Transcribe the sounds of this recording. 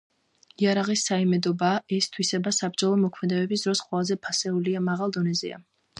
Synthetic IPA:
iaɾaʁisːaimɛd̪ɔbaːʔɛst̪ʰwisɛbasabɾd͡ʒalˠɔmɔkʰmɛd̪ɛbɛbisd̪ɾɔsqʼwɛlˠazɛpʰasɛuliamaʁalˠd̪ɔnɛzɛ̰a̰

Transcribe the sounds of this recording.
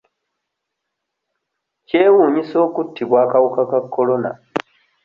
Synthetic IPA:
ce̞ːwuːɲiso̞ːkutːiβwaːkawukakakʰːolo̞na̰

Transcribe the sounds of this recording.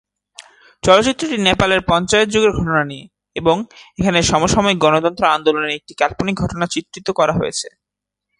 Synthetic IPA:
t͡ɕɔlot͡ɕit̪ːɾoʈinepaleɾpɔnt͡ɕaet̪̚d͡ʑoɡeɾɡʱɔʈonanie | eboŋekʰaneʃɔmoʃɔmɔeɡɔnot̪ɔnt̪ɾoand̪oloneɾek̚ʈikɛlponiɡʱɔʈonat͡ɕit̪ɾit̪okɔɾaɦojḛt͡ɕʰe

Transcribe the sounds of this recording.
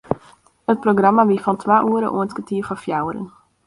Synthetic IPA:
ət̚proɡramaʋifɔntʰʋaːʔuəɾə̰ʔṵəntkətiəfɔfjawəɾə̰n

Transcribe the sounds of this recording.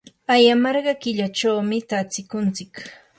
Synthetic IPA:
ajamɑɾɢɑkɪʎat͡ʃawmɪt̪at͡sɪkʊnt͡sɪk

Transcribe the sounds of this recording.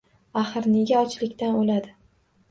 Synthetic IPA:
aχɨɾneɡʲaɒt͡ʃʰlɪkʲt̪anolad̪ɪ

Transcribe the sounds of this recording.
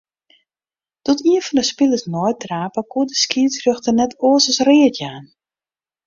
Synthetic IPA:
d̥ɔtiənfɔndəspiləsnɔjtraːpəkuədəskiəsrøxtənɛtoəsəsrɪətjaːn

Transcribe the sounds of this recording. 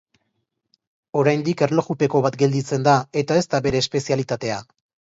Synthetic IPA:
o̞ɾajnd̪ike̞ɾlo̞xupe̞ko̞βat̪ɡe̞ld̪it͡se̞nd̪ae̞t̪ae̞st̪aβe̞ɾe̞ːspe̞sialit̪at̪e̞a

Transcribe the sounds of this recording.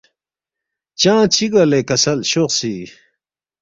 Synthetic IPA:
t͡ɕãːt͡ɕiɡalekɐsɐlɕoqsi

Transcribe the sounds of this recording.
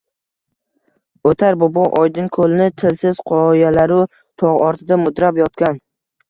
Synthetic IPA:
ot̪ʰaɾbobɒʔɒjd̪ɪŋkʰolɪnɪt̪ʰɪlsɪz̥qʰɒjalaɾʊ | t̪ʰɒʁɒɾt̪ʰɪd̪amʊd̪ɾapjɒt̪kʲan

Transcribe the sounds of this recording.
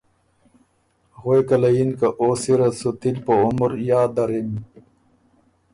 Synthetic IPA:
ɣoekɐlɐjinkɐʔoːsiɾɐsut̪ilpoumɾjaːd̪ɐɾim

